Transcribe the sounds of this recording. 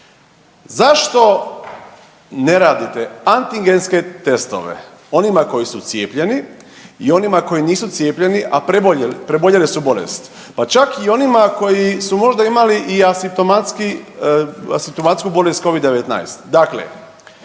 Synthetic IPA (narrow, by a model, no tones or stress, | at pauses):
zaʃt̪o̞ | ne̞ɾaːd̪it̪eant̪iŋɡenske̞t̪e̞st̪o̞̰ʋḛ | o̞nimako̞jisut̪sjeːpʎe̞ni | io̞nimako̞jiniːsut̪sjeːpʎe̞niʔapɾeboʎelpɾeboʎelisubolḛst̪ | pat͡ʃakio̞nimako̞jisumo̞ʒd̪aimaliʔiasimp̚t̪omat̪ski | a̰simpt̪omat̪skubo̞lest̪̚ko̞ʋid̪ːe̞ʋet̪na̰jst̪d̪aklḛ